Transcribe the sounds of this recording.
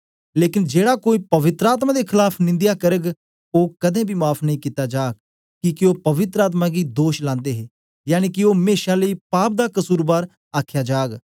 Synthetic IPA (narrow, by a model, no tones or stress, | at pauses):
leːkɪnd͡ʒeːɽaːkoːiːpəʋɪt̪ɾəaːt̪̬mãːd̪eːkʰɪlaːpʰnɪ̃nd̪ɪjaːkəɾəɡ | oːkəd̪ẽːbʱiːmaːpʰnəɦĩːkit̪aːd͡ʒaːɡ̚ | kɪkɪoːpəʋɪt̪ɾəaːt̪̬mãːɡiːd̪oːʃlãːnd̪eːɦeː | jaːniːkɪoːɦmeːʃãːləiːpaːp̚d̪aːkəsuːɾbaːɾ | aːkʰjaːd͡ʒaːɡ